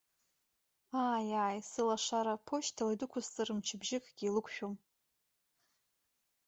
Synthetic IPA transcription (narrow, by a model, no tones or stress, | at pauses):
aːjaːjsɨlaʂaɾapʰoʃtʰaladʊkʷʰʊzt͡sʼɨrɨmt͡ʃʰɪbʒɪkʼɡʲiilɨkʷʰʃᶣom